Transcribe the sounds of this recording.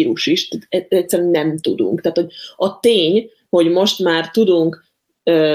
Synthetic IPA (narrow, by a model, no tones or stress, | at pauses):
ɾuʃiʃt̪t̪ɛɛcʲsːɛɾɛnɛmt̪ud̪ṵŋkt̪ɛaːt̪ho̞ɟ̚ɒt̪eːɲ | ho̞ɟmo̞ʃt̪maːrt̪ud̪uŋk | øː